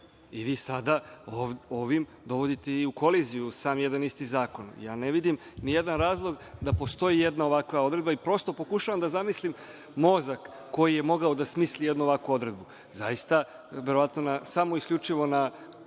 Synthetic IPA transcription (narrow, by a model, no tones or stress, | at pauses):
iʋiːsad̪aoʋoʋim | d̪o̞ʋo̞d̪it̪e̞iuko̞lizijusaːmjed̪anist̪izaːko̞njaːneʋid̪imnije̞d̪anɾaːzlˠo̞ɡd̪apo̞st̪o̞jijed̪nao̞ʋakʋao̞d̪ɾe̞d̪̚baipɾo̞st̪o̞po̞kuʃaʋamd̪azamislim | mo̞zakː | o̞jije̞mo̞ɡaod̪asmiːslijed̪nuoʋakʋuo̞d̪ɾe̞d̪̚bu | za̰jist̪a | ʋe̞ɾoat̪no̞nasamoiskʎʲut͡ʂiʋo̞na